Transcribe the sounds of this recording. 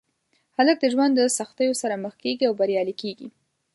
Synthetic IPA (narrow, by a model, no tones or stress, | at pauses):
halək̚d̪əʒwand̪ːəsaxt̪əjosaɾaməxkeɡiawbaɾjɑlikeɡḭ